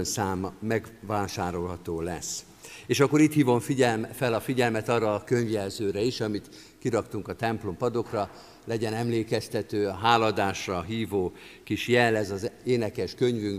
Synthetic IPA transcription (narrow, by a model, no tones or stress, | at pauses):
ønsaːmːɛɡvaːʃaːɾo̞lɦɒt̪oːlɛs | eːʃɒkːo̞ɾiːt̪hiːvo̞ɱfiɟɛlmfɛlɒfiɟɛlmɛt̪ɒrːɒːkøɲvjɛlzøːɾɛiʃɒmit̪ | kiɾɒkt̪uŋkɒt̪ɛmplo̞mpɒd̪o̞krɒ | lɛɟɛnɛmleːkɛst̪ɛt̪øːɦaːlɒd̪aːʃrɒɦiːvoː | kiʃjɛlːɛzɒzeːnɛkɛʃkø̞ɲvyŋk